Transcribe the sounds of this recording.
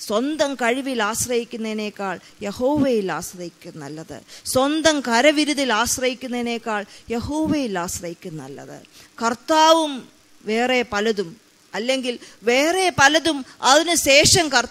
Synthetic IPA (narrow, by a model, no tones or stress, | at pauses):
swɐnd̪ɐmkɐɻiʋilaːɕrɐhikʲːunːɐðine̞ːkːaːɭ | je̞hoːʋejilaːɕrɐhikʲːunːɐ̰lːɐðɨ̰swɐnd̪ɐmkɐɾɐʋiɾuðilaːɕrɐhikʲːunːɐine̞ːkːaːɭje̞hoːʋeːjilaːɕrɐhjikʲːunːɐ̰lːɐ̰ðɨ̰kɐrt̪aːʋum | ʋe̞ːrepɐlɐðum | ɐlːe̞ŋɡilʋe̞ːre̞pɐlɐðumɐðinɨɕe̞ːʂɐmkɐr